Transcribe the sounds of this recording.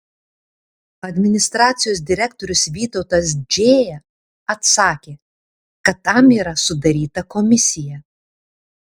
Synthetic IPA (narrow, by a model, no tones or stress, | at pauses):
ɐd̪ʲmʲɪnʲɪst̪ɾɑːt̪sʲɪjoːs̬d̪ʲɪɾʲɛkt̪ɔɾʲʊsʋʲiːt̪ɒʊt̪ɐs̬d͡ʒʲeːjɛ | ɐt̪sɑːkʲeː | kɐt̪ːɐmiːɾɐsʊd̪ɐɾʲiːt̪ɐkɔmʲɪsʲɪjɛ